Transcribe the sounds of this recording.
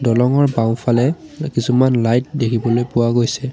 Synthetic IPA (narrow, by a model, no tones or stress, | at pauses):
dɔlɔŋɔɹbãʊ̃pʰalɛkisumanlajt̚dekʰibɔlojpʊwaɡojsɛ